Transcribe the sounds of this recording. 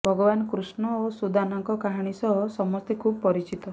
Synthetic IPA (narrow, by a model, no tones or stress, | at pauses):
bʱɔɡɔbanɔkɾusɳɔosud̪ʱanaŋkɔkaɦaɽ̃isɔɦɔsɔmɔst̪ʰekʰub̚pɔɾit͡ʃit̪ɔ